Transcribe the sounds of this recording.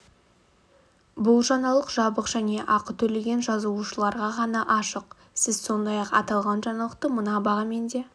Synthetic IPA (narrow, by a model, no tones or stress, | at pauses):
bʊlˠʒɑnɑlˠəqʒɑbəqʒ̥æne̞ʔɑqət̪ʰɵle̞ɡʲe̞nʒɑzuuʃəlˠɑɾʁɑʁɑnɑʔɑʃəq | sɪzso̞nd̪ɑjɑqɑ̰t̪ɑlˠʁɑnʒɑnɑlˠəq̚t̪əmənɑbɑʁɑme̞nd̪e̞